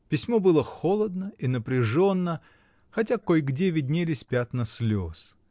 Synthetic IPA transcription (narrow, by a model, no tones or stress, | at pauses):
pʲɪsʲmobɨlˠəxolˠəd̪nəinəpɾʲɪʐo̞nːə | xɐt̬ʲakojɡdʲevʲɪdʲnʲelʲɪsʲpʲat̪nɐsʲlʲos